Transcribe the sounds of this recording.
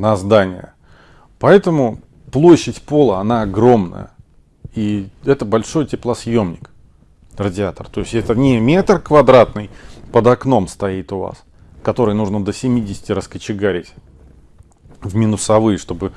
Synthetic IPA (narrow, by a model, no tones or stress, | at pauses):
nɐzd̪anʲɪ̰jə̰ | pɐɛt̪əmʊ | plˠo̞ɕːɪtʲpo̞lˠəɐnaɐɡɾo̞mnə̰jə̰ | iɛt̪əbɐlʲʂo̞jtʲɪplˠəsjo̞mnʲɪk | rədʲɪat̪ərt̪o̞ɪsʲtʲɛt̪ənʲɪmʲe̞t̪rkvɐd̪ɾat̪nɨjpəd̪ɐkno̞mst̪ɐit̪ʊva̰s | kɐt̪o̞ɾɨjnuʐnəd̪əsʲɪmʲidʲɪsʲɪ̥tʲɪɾəskət͡ɕɪɡaɾʲɪtʲ | vmʲinʊsɐvɨjəʂt̪o̞bɨ